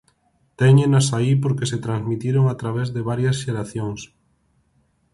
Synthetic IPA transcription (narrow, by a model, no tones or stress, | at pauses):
t̪ɛɲenasaipoɾkeset̪ɾanzmit̪iɾoŋat̪ɾaβ̞ezðeβ̞aɾjɐsʃeɾaθjoŋs